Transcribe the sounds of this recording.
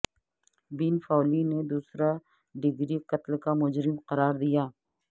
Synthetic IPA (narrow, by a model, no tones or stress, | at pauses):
biːnfaːlined̪uːsɾa | ɖɪɡɾiqɐt̪lkamʊd͡ʒɾɪmqɐɾaːɾd̪ijaː